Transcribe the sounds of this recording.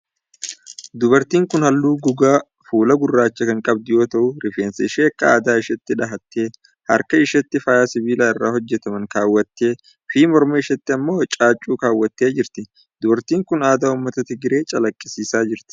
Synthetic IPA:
d̪ʊbɐɾt̪iːŋkʊnhɐlːuːɡʊɡaː | fuːlɐɡʊrːaːt͡ʃːɐkɐŋkʼɐb̚d̪ɪjo̞ːt̪ɐʔʊɾɪfeːnsɐɪʃeːɐkːɐaːd̪aːɪʃɐt̪ːɪᶑɐɦɐt̪ːe̞ː | hɐ̰ɾkɐɪʃɛt̪ːɪfɐjaːsɪbiːlaːɪrːa̰ːhɔd͡ʒːɛt̪ɐmɐŋkaːwːɐt̪ːe̞ː | fiːmɔɾmɐɪʃɐt̪ːɪɐmːo̞ːt͡ʃʼaːt͡ʃʼːuːkaːwːɐt̪ːe̞ːd͡ʒɪɾt̪ɪ | d̪ʊbɐɾt̪iːŋkʊnaːd̪aːʊmːɐt̪ɐt̪ɪɡɾe̞ːt͡ʃʼɐlɐkʼːɪ̥siːsaːd͡ʒɪɾt̪ɪ̥

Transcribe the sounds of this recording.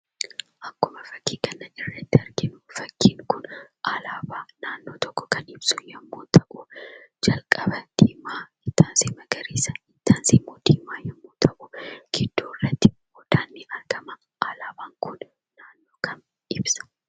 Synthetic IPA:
ʔɐkːʊmɐfɐkːiːkɐnɐnɪrːɐt̪ːɪɐɾɡ̪ɪnufɐkːiːŋkʊnʔalaːbaːnaːnːo̞ːt̪ʰɔkːɔ̥kʰɐnɪbsʊjɐmːuːt̪ɐʔʊd͡ʒɐlkʼɐbɐnd̪̥iːmːaːɪnt̪ːaːnsɪmɐɡ̥ɐɾiːsɐɪnt̪aːnsɪmːuːd̪iːmːaːjɛmːuːt̪ɐʔʊɡ̥ɪd̪ːoːrːɐt̪ːɪboːd̪̥aːnːɪɐɾɡɐmɐ | alaːbaːŋkʊnː | aːnːoːkʰɐn | ɪbsɐ̥

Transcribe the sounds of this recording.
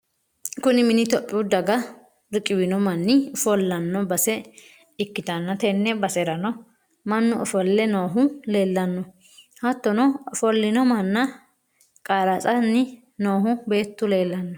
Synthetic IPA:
kʊnɪmɪnɪt̪ɔpʼːɪʊd̪ɐɡɐ | ɾɪkʼːɪwɪnɔmɐnːɪfɔlːɐnːɔbɐsɛ | ɪkːɪt̪ɐnːɐt̪ɛnːɛbɐsɛɾɐnɔ | mɐnːʊɔfɔlːɛno̞ːɦʊle̞ːlːɐnːɔ | hɐt̪ːɔnɔfɔlːɪnɔmɐnːɐ | kʼaːɾɐt͡sʼɐnːɪ | noːɦʊbe̞ːt̪ːʊle̞ːlːɐnːɔ

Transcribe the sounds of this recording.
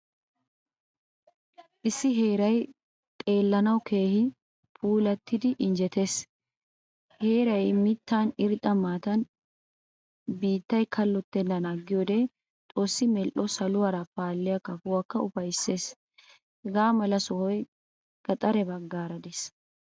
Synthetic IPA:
ʔɪsːɪɦe̞ːɾɐj | t̪ʼe̞ːlːɐnɐwkʰe̞ːhɪ | pʰuːlɐt̪ʰːɪd̪ɪʔɪnd͡ʒɛt̪e̞ːs | he̞ːɾɐjmɪt̪ːaːnɪɾɪt̪ʼːɐmaːt̪ɐn | biːt̪ːɐjkʰɐlːɔt̪ːɛnːɐnaːɡːɪjɔd̪e | t̪ʼo̞ːsːɪmɛlʔɔsɐlʊwɐɾɐpaːlːɪjɐkːɐfʊwɐkːɐʊfɐjɪsːe̞ːs | hɛɡaːmɐlɐsɔhɔj | kʼɐt̪ʼɐɾɛbɐɡːaːɾɐd̪es

